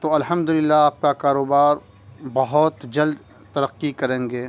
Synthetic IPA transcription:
t̪oɐlɦɐmd̪ʊlɪlːaaːp̚kakaːɾoːbaːɾ | bɐɦɔt̪d͡ʒɐld̪ | t̪ɐɾəqːikɐɾẽːŋɡeː

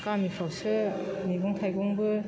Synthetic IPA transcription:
kamipʰɔsɯmiɡuŋtʰajɡɔŋbɯ

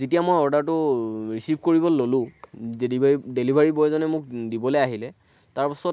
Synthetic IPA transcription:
zetijamojɔɹdaɹtʊɹisibʱkoɹibɔlːolʊ̃eiidelibʱaɹibɔjzɔnɛmʊk̚dibɔlojaɦilɛ | taɹpɔsɔt

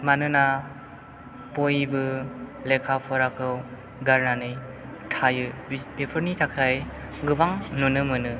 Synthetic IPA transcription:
manɯna | pojbɯlekʰapʰɔɾakʰɯw | ɡaɾnanɯj | tʰajɯbepʰɯɾnitʰakʰaj | ɡɯbaŋnunɯmɯnɯ

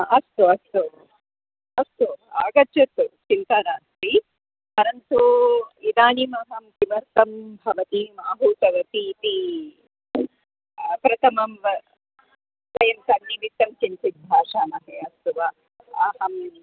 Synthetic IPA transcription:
ɐst̪uɐst̪u | ɐst̪uaːɡɐt͡ʃɐt̪ːut͡ʃint̪anaːst̪i | pɐɾɐnt̪uid̪aːnimɐɦɐmkiʋɐɾt̪ɐmbʱɐʋɐt̪imaːbʱuːt̪ɐʋɐt̪iːt̪i | pɾɐt̪ʰɐmɐm | sʋɐjɐmsɐnːiʋit̪ːɐmt͡ʃint͡ʃit̪̚bʱaːʂaːnɐɦeɐst̪uʋɐ | aːɦɐm

